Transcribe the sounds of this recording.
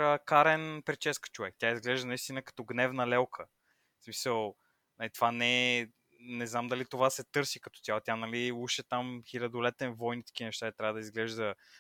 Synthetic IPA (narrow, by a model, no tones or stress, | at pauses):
əkaɾɛnpɛt͡ʃɛskə̥t͡ʃovɛk̚t̪ʲjaizɡlɛʒd̪ənɐist̪inəkɐ̥t̪ɔɡnɛvnəlɛlˠkʰə | smisəlˠ | nɐlit̪ov̥anɛ | nɛznamd̪ɐlit̪ovasɛt̪ɤɾsikɐt̪ɔ̥t̪jalˠt̪ʲjanɐliuʃɛt̪amxilʲɐd̪olɛt̪ɛnvɔjnit̪ə̥k̟inɛʃt̪ait̪ɾʲavəd̪ɐizɡlɛʒd̪ə